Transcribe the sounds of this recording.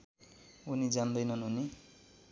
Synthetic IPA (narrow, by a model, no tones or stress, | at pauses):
unid͡zand̪ʌjnʌnɦuni